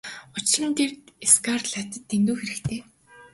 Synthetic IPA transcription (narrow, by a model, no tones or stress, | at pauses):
ʊt͡ɕɪɮə̆nt̪ʰert̪eskarɮat̪ə̆t̪ːent̪uːxeɾɘ̆kt̪ʰeː